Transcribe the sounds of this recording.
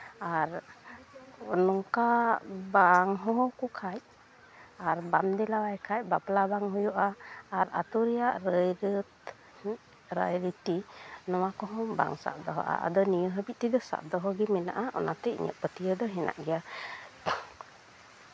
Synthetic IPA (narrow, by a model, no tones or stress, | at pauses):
aɾ | nɔŋkabaŋɦɔ̃ɦɔkukʰaj | aɾbamd̪ɛlawajkʰaj̚baplabaŋɦɔjuʔaːɾa̰t̪uɾɛjaʔɾəjɾt̪ | ɾajɾit̪inɔwakɔɦɔba̰ŋsa̰ʔd̪ɔɦɔ̰ʔa̰a̰d̪ɔnijəɦəbit̪̚t̪id̪ɔsa̰ʔd̪ɔɦɔɡɛmɛna̰ʔaʔɔ̰nat̪ɛḭɲə̰ʔpət̪ijəd̪ɔɦɛna̰ʔɡɛja